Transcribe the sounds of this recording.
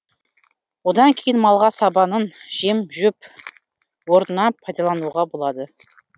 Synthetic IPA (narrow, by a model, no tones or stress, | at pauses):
wod̪ɑŋkʲʰe̞jɪnmɑlˠʁɑsɑbɑnənʒ̥emʒʉp | woɾnənɑpʰɑjd̪ɑlˠɑnuʁɑbo̞lˠɑd̪ə